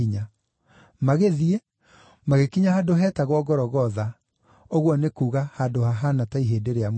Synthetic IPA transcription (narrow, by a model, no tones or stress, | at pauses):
iɲa | maɣeðie | maɣekiɲahadoɦɛːtaɣwɔɡɔɾɔɣɔða | oɣwɔnekuːɣahadohaɦanataiɦeːdeɾeam